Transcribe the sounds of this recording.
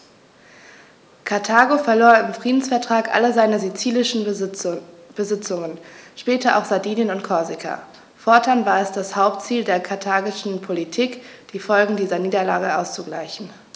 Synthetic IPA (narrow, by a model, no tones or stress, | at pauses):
kʰaɐtʰaːɡofɛɐloːɐɪmfʁ̥iːdn̩sfɛɐtʁ̥aːkʔa̰ləzaɪnəzit͡siːlɪʃn̩ | b̥əzɪt͡sʊŋənʃpɛːtɐʔa̰ʊxz̥adiːnjənʊntkʰɔɐzɪkʰa̰ | fɔɐtʰanvaːɐɛsd̥ashaʊptt͡siːldeːɐkʰaɐtʰaːɡɪʃn̩pʰolitʰiːkd̥iːfɔlɡŋ̩diːzɐniːdɐlaːɡəʔa̰ʊst͡suɡla̰ɪçn̩